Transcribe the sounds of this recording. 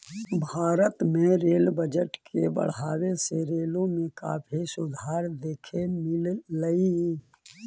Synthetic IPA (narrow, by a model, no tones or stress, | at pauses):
bʱaːɾət̪mẽɾeːlbəd͡ʒəʈkʰebə̰ɽ̤aːweseɾeːlõmẽka̰ːpʰisʊd̪ʱaːɾd̪eːkʰemɪlːəi